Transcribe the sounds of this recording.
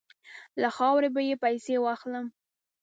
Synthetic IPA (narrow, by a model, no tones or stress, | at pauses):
laxɑwɾebajepajsewɑxləm